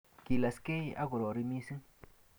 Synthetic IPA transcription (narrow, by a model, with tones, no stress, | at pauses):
ki˨la˨ske˦jʔa˦ɡu˨ɾo˨ɾi˧mi˦sɨ˦